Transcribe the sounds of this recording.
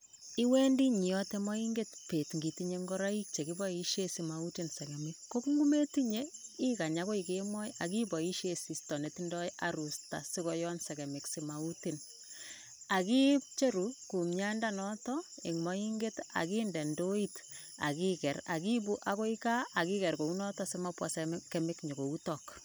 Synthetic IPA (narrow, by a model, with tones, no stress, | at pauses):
i˦wɛ˦ndi˦ɲi˨jɔtemɔ˦i˦ŋɡe˦tpe˨tŋɡi˨ti˦ɲeŋɡɔ˦ɾai˦k̚t͡ʃe˨kibɔiʃje˦simautinsɛ˨kɛ˨mɪkːo˦kŋɡu˦me˦ti˦ɲei˦ka˨ɲako˦ikemwɔ˦ja˨ki˦bɔ˨i˦ʃjesi˨stɔ˨ne˨tindɔ˦ja̰ɾu˨sta̰˨si˦kɔ˨jɔ˦nsɛkɛ˨mɪ˨ksi˨mau˦ti˨n | a˨ki˦p̚t͡ʃe˦ɾuku˨mɲa˦ndanɔtɔe˨ŋmɔi˦ŋɡe˦ta̰˨kiːndɛ˨ndoit | a̰˨ki˦kɛ˨ɾa̰˨ki˦bu˦ʔa˦ko˦ika˦ʔa˨ki˦kɛ˨ɾko˨u˦nɔtɔsɪmapwa̰˨sɛkɛmɪkɲo˨ko˨utɔk